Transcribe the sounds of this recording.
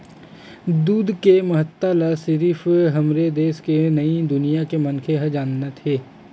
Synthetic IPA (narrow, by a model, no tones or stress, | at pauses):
d̪uːd̪kemɐɦət̪ːalasɪɾiːfɦɐmɾed̪eːskenɐid̪ʊnijakemɐnkʰeɦəd͡ʒaːnːat̪ʰeː